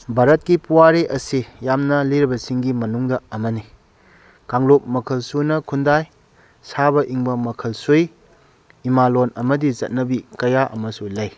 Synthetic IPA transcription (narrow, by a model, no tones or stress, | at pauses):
bʱaɾɐt̚kipuwaɾiʔɐsijamnɐliɾibɐsiŋɡimɐnuŋdɐɐmɐni | kaŋlop̚mɐkʰɐlsunɐkʰundaj | sabɐʔiŋbɐmɐkʰɐlsuj | imalonɐmɐdizɐ̰t̚nɐbikɐjaʔɐmɐsulɐj